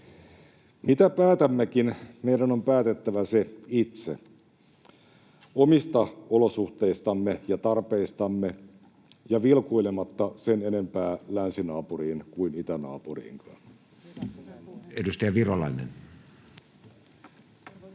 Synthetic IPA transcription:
mit̪æpæːt̪æmːekinmeidæno̞mpæːt̪et̪ːæʋæseit̪sḛ | omist̪ɑolo̞suht̪eist̪ɑmːejɑt̪ɑrpeist̪ɑmːe | jɑʋilkoilemɑt̪ːɑsene̞ne̞mpæːlænsinɑːpuriːnkuinit̪ænɑ̰ːpurḭːŋkʰɑn | edust̪ɑjɑʋirolɑinḛn

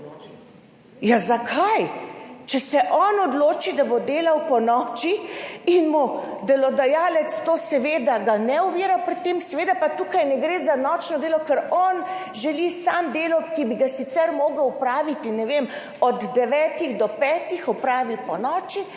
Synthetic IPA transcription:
jazakʰajt͡ʃɛsɛʔɔnɔd̪loːt͡ʃid̪abod̪eːlawpɔnɔːt͡ʃiinmud̪ɛlɔd̪ajaːlɛt̪st̪oːsɛʋeːd̪aɡanɛuʋiːɾapɾit̪ːeːmsɛʋeːd̪apat̪uːkajnɛɡɾeːzanɔt͡ʃnɔd̪eːlɔkɛɾɔn | ʒɛlisaːmd̪eːlɔkibiɡasit̪sɛɾmɔːɡəwwpɾaːʋit̪inɛʋem | ɔd̪ːɛʋɛːt̪iɣd̪ɔpɛːt̪ixɔpɾaːʋiwpɔnɔːt͡ʃi

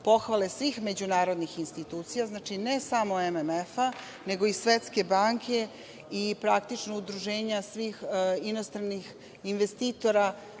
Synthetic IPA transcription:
po̞xʋale̞sʋiːxme̞d͡ʑunaːɾo̞d̪nixinst̪it̪uːt̪sijaznaːt͡ʃinesamoememefa | ne̞ɡo̞isʋet̪ske̞baːŋkʰe̞ | ipɾakt̪it͡ʃnoud̪ɾuʒe̞ːɲasʋiːxinost̪ɾanix | inʋe̞st̪iːt̪o̞ɾa

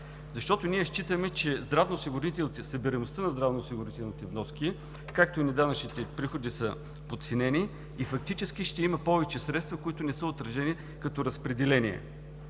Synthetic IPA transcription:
zɐʃt̪ɔt̪ʊniɛʃt͡ʃit̪əmɛt͡ʃɛzd̪ɾavnoosiɡʊɾit̪ɛlˠnit̪ɛsəbiɾɛnost̪ənɐzd̪ɾavnosiɡʊɾit̪ɛlˠnit̪ɛvnɔski | kak̚t̪oinɛd̪anɐt͡ʃnit̪ɛpɾixod̪isə | pot̪sinɛni | ifɐk̚t̪it͡ʃɛsk̟iʃt̪ɛimɐpɔvɛt͡ʃɛsɾɛt̪st̪vəkoit̪ʊnɛsəot̪ɾɐʒɛni | kɐt̪ɔɾɐspɾɛd̪ɛlɛniɛ̰

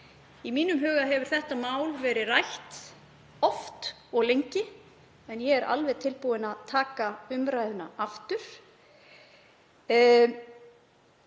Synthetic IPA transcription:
imiːnʏmɦœːɣaɦɛvʏɾ̥θɛht̪amaːwlvɛːɾɪrajht̪ | ɔft̪ | ɔɣlejɲcɪ | ɛnjɛɛɾʔa̰lvɛðt̪ʰɪlpuwɪnaðt̪ʰaːkaʏmɾajðʏnaʔaft̪ʏɾ̥

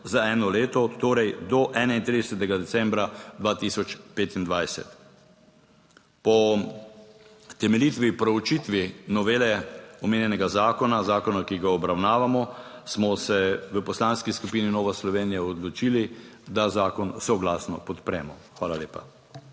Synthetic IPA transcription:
zaɛːnɔleːt̪ɔt̪oːɾɛjd̪ɔʔɛːnaint̪ɾid̪ɛsɛt̪ɛɡad̪ɛsɛmbɾad̪ʋaːt̪iːsɔt͡ʃpeːt̪ind̪ʋajsɛ̰t̪ | pɔ | t̪ɛmɛliːt̪ʋipɾɛut͡ʃit̪ʋinɔʋeːlɛɔmeːnjɛnɛɡazaːkɔnazaːkɔnakiɡaɔbɾawnaːʋamɔ | smɔsɛʋəpɔslaːnskiskupiːninɔːʋaslɔʋeːnijaɔd̪lɔt͡ʃiːlid̪azaːkɔnsɔɡlaːsnɔpɔt̪pɾɛ̰ːmɔxʋaːlaleːpa̰

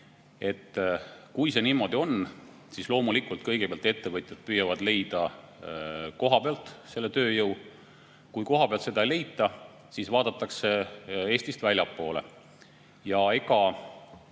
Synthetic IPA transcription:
e̞t̪ːkujse̞niːmːo̞d̪̥io̞n | sislo̞ːmulikˑult̪̚kɤjɡ̥epeɑlt̪e̞t̪ːe̞vɤt̪ʲˑjɑd̪̥̚pyjːɑvɑd̪̥le̞jd̪̥ɑ | ko̞ɦɑpeɑlt̪ˑse̞lːe̞t̪ø̞ːjɤw | kujko̞ɦɑpe̞ɑlt̪se̞d̪̥ɑele̞jt̪ːˑɑ | sisvɑːd̪̥ɑt̪ːˑɑkse̞e̞ːsʲt̪ist̪vælʲjɑpːo̞ːle | jɑe̞ɡ̥ɑ

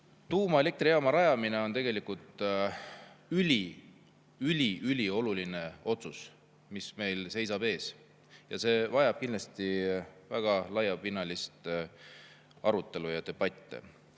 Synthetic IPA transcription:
t̪uːmɑele̞k̚t̪rijɑmɑɾɑjɑmine̞o̞nt̪e̞ɡe̞likult̪ˑ | ylʲi | ylʲiʔylʲio̞luline̞o̞t̪sus | misme̞jlse̞js̬ɑb̥e̞ːs | jɑ̰se̞ːvɑjɑb̥̚kinlɑst̪ivæɡ̥ɑlɑjːɑpinːɑlist̪ | ɑɾut̪ˑːe̞lujɑt̪e̞b̥ɑt̪ʲːˑḛ

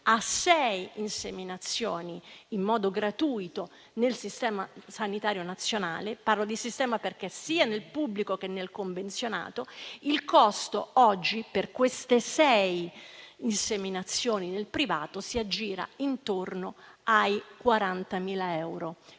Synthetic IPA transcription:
asɛjinseminat̪sːjoːniːmːɔːd̪oɡɾat̪uːjt̪o | nelsist̪ɛːmasanit̪aːɾjonat̪sːjonaːleparlod̪isist̪ɛːmaperk̟esiːanelpubːlikok̟enːelkoɱvent̪sjona̰ːt̪oilkɔst̪oɔd͡ʒːiperkwest̪esɛjinseminat̪sːjoːninelpɾiva̰ːt̪osiad͡ʒːiːɾa̰int̪ornoajkwaɾant̪amiːlaɛɛwɾo

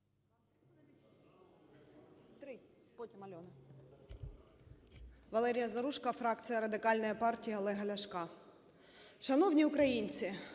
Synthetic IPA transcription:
t̪ɾɪ | pɔtʲimɐlʲɔnɪ | ʋɐlˠɛɾʲijɐzɐɾuʃkɐfɾɑkt̪sɨjɐɾɐd̪ɪkɑlʲnɔjipɑrtʲijiɐlˠɛɦɐlʲɐʃkɑ | ʃɐnɔwnʲiʊkɾɐjinʲt͡s̪ʲɪ

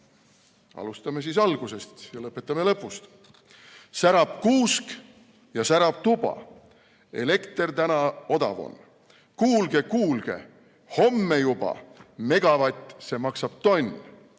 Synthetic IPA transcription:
ɑ̰lust̪ɑme̞s̬iːsɑlɡ̥use̞st̪jɑlɤpːˑe̞t̪ːˑɑme̞lɤpːˑust̪ | sæɾɑb̥kuːsk | jɑsæɾɑb̥̚t̪ub̥ɑ̰ | e̞̰le̞kt̪e̞rt̪ænɑo̞d̪̥ɑ̰vo̞̰n | kuːlɡ̥e̞kuːlɡ̥e̞̰ | ho̞mːe̞jub̥ɑ̰me̞ɡ̥ɑvɑt̪ʲːˑse̞mɑksɑb̥̚t̪o̞nʲ

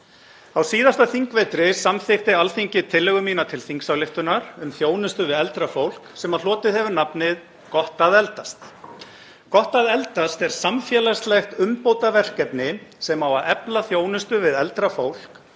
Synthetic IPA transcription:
awsiːðast̪aθiŋkvejt̪ɾɪsamθɪxt̪ɪalθiɲcɪt̪ʰɪlːɛɣʏminat̪ʰɪlθiŋksawlɪft̪ʏnaɾ̥ʏmθjoːwnʏst̪ʏvɪðɛlt̪ɾafowl̥ksɛmaðlɔːt̪ɪðhɛvʏɾnapnɪð | kɔht̪aðɛlt̪ast̪ | kɔht̪aðɛlt̪ast̪ɛɾ̥samfjɛːlast̪lɛxt̪ʏmpoːwt̪avɛr̥kɛpnɪsɛmawaðɛplaθjoːwnʏst̪ʏvɪðɛlt̪ɾafowl̥k

